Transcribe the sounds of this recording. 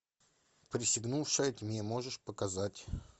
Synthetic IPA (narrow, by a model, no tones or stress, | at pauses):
pɾʲɪsʲɪɡnufʂəjətʲmʲemoʐɨʂpəkɐzatʲ